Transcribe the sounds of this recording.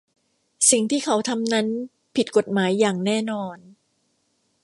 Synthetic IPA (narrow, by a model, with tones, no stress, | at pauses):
si˨˩ŋt̪ʰiː˥˩kʰa˦˥wt̪ʰa˧mna˦˥n | pʰi˨˩t̪̚ko˨˩t̪̚maː˩˦jːaː˨˩ŋnɛː˥˩nɔː˧n